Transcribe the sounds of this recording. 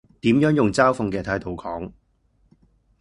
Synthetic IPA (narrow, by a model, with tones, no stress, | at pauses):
t̪iː˨˥mjœː˨˥ŋjʊ˨ŋt͡saː˥wfʊ˨˧ŋkɛː˧t̪ʰaː˧jt̪ʰo˨wkʰɔː˨˥ŋ